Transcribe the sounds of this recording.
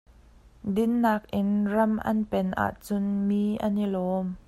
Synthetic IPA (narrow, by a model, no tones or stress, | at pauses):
dɪnːaːk̚ʔɪnrɐmʔɐ̰npɛnʔa̰ːʔt͡sʊnmiːʔɐnilɔːm